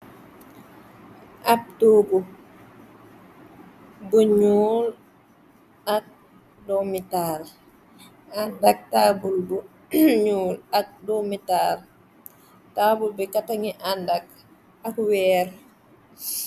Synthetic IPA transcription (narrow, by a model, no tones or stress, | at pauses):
ʔap̚tobu | buɲuːl | at̚ | dɔmital | adak̚tabulbu | ɲulak̚domitaɾ | tabulbɛkataŋiʔadak̚ | akwɛːɾ